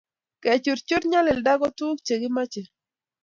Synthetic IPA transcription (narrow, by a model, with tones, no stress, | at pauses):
ke˨t͡ʃu˨ɾt͡ʃʊ˦ɾɲa˦lɪ˨lda˦ɡɔ˦tuː˦kt͡ʃe˨ɡɪ˦ma˦t͡ʃe˨